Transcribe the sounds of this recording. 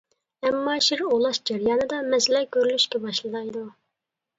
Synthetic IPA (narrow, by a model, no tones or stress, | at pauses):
ɛmːɑːʃiɾolˠɑʃd͡ʒɛɾjɑːnɨd̪ɑmɛslɛɡʲøɾylyʃkʲɛbɑʃlˠɨd̪ɑjd̪u